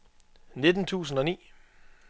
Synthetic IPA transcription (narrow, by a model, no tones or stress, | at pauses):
ne̝d̥n̩t͡sʰṵːsn̩ɒ̽nḭː